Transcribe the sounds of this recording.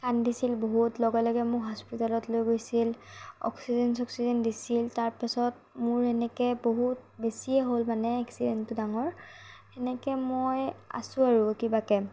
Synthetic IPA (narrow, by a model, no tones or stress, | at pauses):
kʰandisilboɦutlɔɡɛlɔɡɛmʊkɦɔspitalɔtlojɡojsilɔ̰ksizɛns̬ɔksizɛndisiltaɹpasɔt̚ | mʊɹɛnɛkɛboɦut̚besiɛɦolmanɛɛksidɛntʊdaŋɔɹhɛnɛkɛmoja̰sʊaɹʊ̃kibakɛ